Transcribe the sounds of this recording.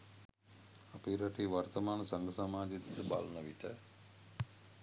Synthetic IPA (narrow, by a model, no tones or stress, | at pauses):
apiɾaʈiːʋart̪əmaːnəsaŋɡəsamaːd͡ʒed̪isəba̰lnəʋiʈə